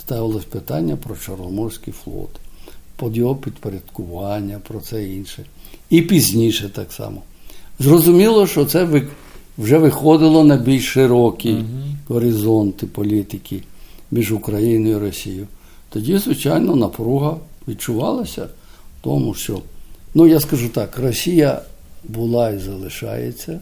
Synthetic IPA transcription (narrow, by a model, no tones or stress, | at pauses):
st̪ɑʋɪlˠɔsʲpɪt̪ɑnʲːɐpɾɔt͡ʃɔrnɔmɔrsʲkʲijflˠɔ̰t̪ɪ̥pɔd̪jɔɦɔpʲid̪peɾʲɐd̪̥kʊʋɑnʲːɐpɾɔt̪sɛinʃɛipʲizʲnʲiʃɛt̪ɑksɑ̰mɔzrɔzʊmʲilˠɔʃt͡ʃɔt̪sɛʋ | wʒɛʋɪxɔd̪ɪlˠɔnɐbʲilʲʃʃɪɾɔkʲiɦɔɾɪzɔnt̪ɪpɔlʲit̪ɪkʲimʲiʒʊkɾɐjinɔjjiɾɔsʲijʊ | t̪ɔdʲizʋɪt͡ʃɑjnɔnɐpɾuɦɐʋʲid̚t͡ʃʊʋɑlˠɐsʲɐ̰wt̪ɔmʊʃt͡ʃɔnujaskɐʒut̪ɑkrɔsʲijɐbʊlˠɑizɐlˠɪʃɑ̰jḛt͡sʲːɐ